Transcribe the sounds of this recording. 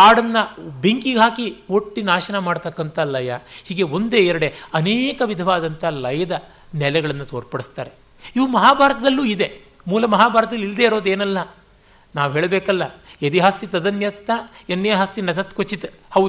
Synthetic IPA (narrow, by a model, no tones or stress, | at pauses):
aːɽɐnːɐbʱiŋkiɡɦaːkioʈːinaːʃɐnɐmaːɖt̪ɐkːɐnt̪ɐlɐjɐhiːɡe̞o̞nd̪e̞iɾɐɽe̞ɐneːkɐʋid̪ʱɐʋaːd̪ɐnt̪ʰɐlɐjɐd̪ɐ | nɛlɛɡɐɭɐnːɐt̪oːɾpɐɽist̪aːɾe̞ | iʋumɐɦaːbʱaːɾɐt̪ɐd̪ɐlːuːid̪e̞ | muːlɐmɐɦaːbʱaːɾt̪ɐd̪ɐlːild̪eiɾo̞ːd̪eːnɐlːɐ | naːʋɦeːɭɐbeːkɐlːɐed̪iɦast̪it̪ɐd̪ɐnjɐt̪ːɐenːɐjɐɦɐst̪inɐt̪ɐt̪ːkot͡ʃːit̪hɐʋ